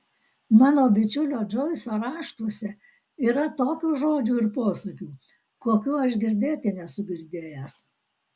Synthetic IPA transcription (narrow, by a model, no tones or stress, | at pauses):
mɑːnoːbʲɪt͡ʃʲʊlʲoːd͡ʒɔɪsoːɾɑːʃt̪usʲɛ | iːɾɐt̪oːkʲuːʒoːd͡ʒʲuːɪɾpoːsukʲuː | koːkʲuːɐʃɡʲɪɾʲd̪ʲeːt̪ʲɪnʲɛsʊɡʲɪɾʲd̪ʲeːjɛs